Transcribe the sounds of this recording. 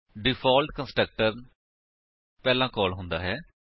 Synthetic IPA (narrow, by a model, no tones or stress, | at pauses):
ɖɪfʰɔːlʈkə̃nsʈɾək̚ʈəɾ | pɛːlãːkɔːlɦʊ̃nd̪a̰ːɦɛː